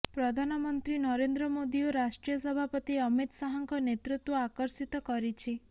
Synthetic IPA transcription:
pɾɔd̪ʱanɔmɔnt̪ɾinɔɾend̪ɾɔmod̪ioɾasʈɾijɔsɔbʱapɔt̪iʌmit̪saɦɔŋkɔnet̪ɾut̪wɔakɔɾsit̪ɔkɔɾit͡ʃʰi

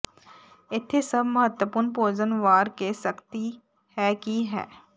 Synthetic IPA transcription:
ɪt̪ʰesɐbʱməɦət̪wəpʊːɾnpoːd͡ʒənʋaːɾkesəkt̪i | hɛːkiɦɛ̰ː

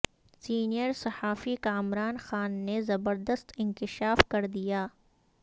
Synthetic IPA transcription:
siːnijəɾsɐhaːfikaːmɾaːnxaːnːezɐbəɾd̪əst̪ɪ̃nkɪʃaːfkɐɾd̪ijaː

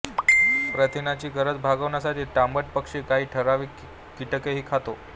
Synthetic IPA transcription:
pɾət̪ʰinat͡ɕiːɡəɾət͡sbʱaɡəʋɳjasaʈʰiːʈambəʈ̚pəkʂiːkaɦiːʈʰəɾaʋiː | kiʈəkeɦiːkʰat̪o

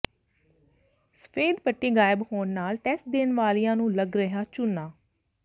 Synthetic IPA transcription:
sə̥pʰeːd̪pəʈːiːɡaːɪbhoːnnaːlʈɛːsʈ̚d̪eːnʋaːlijãːnũːləɡɾəɦaːt͡ʃʊnːaː

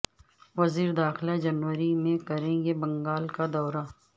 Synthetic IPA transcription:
ʋɐziːɾd̪aːxlad͡ʒɐnʋəɾimẽkɐɾẽɡebɐ̃ŋɡaːlkad̪ɔːɾa

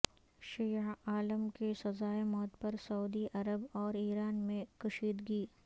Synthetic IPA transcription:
ʃiːɦaːləmkesɐzaːemɔːt̪pɐɾsɐuːd̪iʔɐɾəbɔːɾiːɾaːnmẽkɐʃiːd̪ɡiː

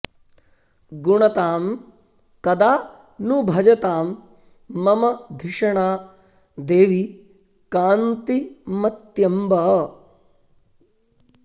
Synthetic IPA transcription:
ɡuɳɐt̪aːm | kɐd̪aː | nubʱɐd͡ʒɐt̪aːmː | ɐmɐd̪ʱiʂɐɳaː | d̪eːʋi | kaːnt̪imɐt̪jɐmbɐ

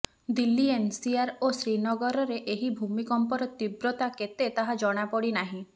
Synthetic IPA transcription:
d̪ilːiensiaɾosɾinɔɡɔɾɔɾeʔeɦibʱumikɔmpɔɾɔt̪ibɾɔt̪aket̪et̪aɦad͡ʒɔɽ̃apɔɽinaɦĩ

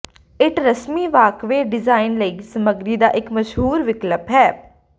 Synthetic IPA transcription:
ɪʈɾəsmiːʋaːkʋeːɖɪzaːɪnləiːsəməɡɾiːd̪aːʔɪkməʃɦuːɾʋɪkləpɦɛː

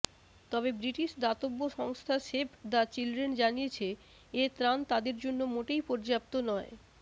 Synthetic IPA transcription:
t̪ɔbebɾiʈiʃd̪at̪obːoʃɔŋst̪ʰaʃepʰd̪at͡ɕilɖɾend͡ʑanijet͡ɕʰe | et̪ɾant̪ad̪eɾd͡ʑonːomoʈejpɔɾd͡ʑap̚t̪onɔe

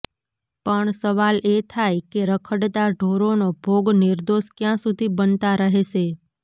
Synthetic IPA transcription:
pəɳsəʋalet̪ʰajkeɾəkʰəɽt̪aɖʱoɾonobʱoɡnɪɾd̪oʃkjãsud̪ʱibənt̪aɾəɦeʃe

